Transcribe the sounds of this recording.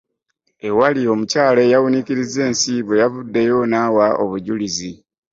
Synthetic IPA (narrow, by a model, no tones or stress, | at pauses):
e̞walio̞mucaːle̞jawuniciɾize̞ːnsiβe̞javudːe̞jo̞nawaoβuɟulizi